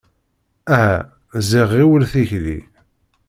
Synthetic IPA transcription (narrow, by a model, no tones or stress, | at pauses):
æɦæ | ziʁiwəlθiçðḭ